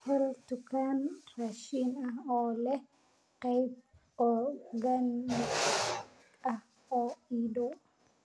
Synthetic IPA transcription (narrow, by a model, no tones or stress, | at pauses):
hɔlt̪ʊkʰaːnraʃinɐɔːlɛ | qɛjb̚ | ɔɡɐn | ɐh | ɔːiːdɔ